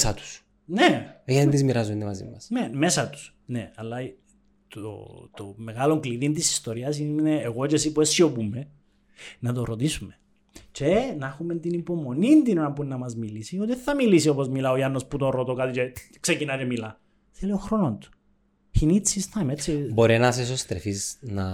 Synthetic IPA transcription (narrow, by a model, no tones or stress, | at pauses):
sɐt̪u̥s | nejɐind̪izmiɾɐzund̪emɐzḭmɐsnemesɐt̪u̥s | neɐlːɐ | t̪o̰t̪ome̞ɣɐlo̞ŋkliðint̪isi̥st̪o̞ɾiɐsineːɣot͡ʃesipuesiopumːe̞ | nɐt̪oɾo̞t̪isume | t͡ʃenɐxument̪inipo̞mo̞nind̪inonɐmpunːɐmɐzmilisiot̪iθːɐmilisio̞po̞zmilɐojɐnːo̞sput̪onɾot̪okɐt̪it͡ʃeksecinɐcemilɐ | θelioxɾo̞nont̪u̥ | çinit͡sːist̪ɐmet͡sːibo̞ɾinɐs̬es̬ost̪ɾḛfiznɐ